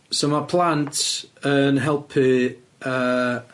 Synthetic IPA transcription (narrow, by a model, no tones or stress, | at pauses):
somapʰlˠantʰənɦɛlˠpʰɨ | ə